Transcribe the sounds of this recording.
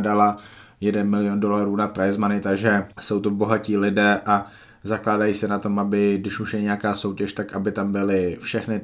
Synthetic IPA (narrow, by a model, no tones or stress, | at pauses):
dalajɛdɛnmɪlɪjondo̞laɾuːnapɾajɪzmanɪt̪aɡʒɛso̞wt̪obo̞ɦaciːlɪdɛːʔa | zaklaːdajiːsɛnat̪o̞mʔabɪdɪʃuʃjɛɲɛjakaːso̞wcɛʃt̪akʔabɪt̪ambɪlɪfʃɛxnɪ